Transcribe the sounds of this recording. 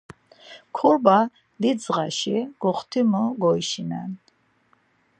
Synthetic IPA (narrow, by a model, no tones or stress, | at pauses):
kʰɔɾba | d̪id̪zʁaʃiɡ̥ɔχt̪ʰimɔɡɔiʃinan